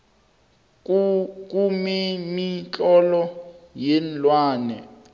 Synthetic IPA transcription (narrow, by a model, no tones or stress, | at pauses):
k̬ʼumemit͡ɬʼɔlɔjɛnlwaːnɛ̰